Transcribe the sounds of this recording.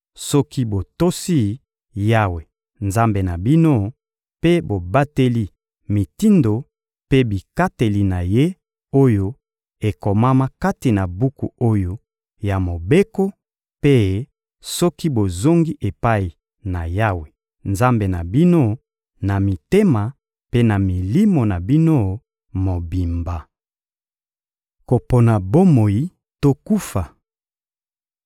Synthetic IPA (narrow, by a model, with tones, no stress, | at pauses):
sɔ˦ki˦bo˨to˦si˦˨ | ja˦we˨ | nza˦mbe˨na˨bi˦no˦ | pe˦bo˨ba˦te˦li˦ | mi˨ti˦ndo˨ | pe˦bi˨ka˦te˨li˦na˨je˦ | o˦jo˦ | e˨ko˨ma˦ma˦ka˦ti˨na˨bu˦kṵ˨o˦jo˦ | ja˨mo˨be˦ko˦ | pe˦ | sɔ˦ki˦bo˨zo˦ŋɡi˦ʔe˨pa˦i˨ | na˨ja˦we˨ | nza˦mbe˨na˨bi˦no˦ | na˨mi˨te˦ma˨ | pe˦na˨mi˨li˦mo˨na˨bi˦no˦ | mo˨bi˨mba˨ | ko˨po˨na˨bo˦mo˨ji˦ | to˦ku˦fa˨